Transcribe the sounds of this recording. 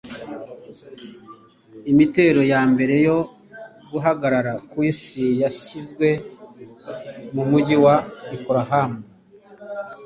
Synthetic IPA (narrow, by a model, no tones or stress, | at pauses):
imite̞ɾo̞jaːmbe̞ɾe̞jo̞ | ɡuɦaɡaɾaɾakwisijaʃizɡwe̞ | mumuɟiwaikoɾaɦamu